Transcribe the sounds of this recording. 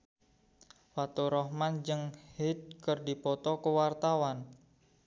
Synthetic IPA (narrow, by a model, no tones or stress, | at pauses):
fat̪uɾɔhmand͡ʒɨŋhid̪̚kərdipɔt̪ɔkəwart̪awan